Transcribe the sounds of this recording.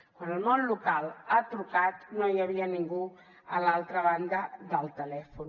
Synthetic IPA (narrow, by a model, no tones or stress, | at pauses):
kwanəlˠmonlukalat̪ɾukat̪nojəβiəniŋɡu | əlalˠt̪ɾəβand̪əðəlˠt̪əlɛfun